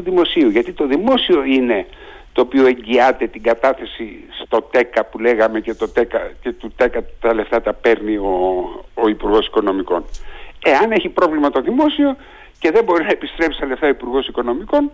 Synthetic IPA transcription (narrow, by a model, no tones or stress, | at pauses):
uðimo̞siuʝɐt̪it̪o̞ðimo̞sio̞ine̞ | t̪o̞ːpioe̞ɲɟiɐt̪e̞t̪iɡɐt̪ɐθe̞si | st̪o̞t̪e̞kɐpule̞ɣɐme̞ce̞t̪o̞t̪ekɐce̞t̪ut̪e̞kɐt̪ɐle̞ft̪ɐt̪ɐpe̞ɾnio̞ː | ipuɾɣo̞si̥ko̞no̞miko̞̰ne̞ɐne̞çipɾo̞vlimɐt̪o̞ðimo̞sio̞ | ce̞ðe̞mbo̞ɾinɐepist̪ɾe̞psi̥st̪ɐle̞ft̪ɐoipuɾɣo̞siko̞no̞miko̞n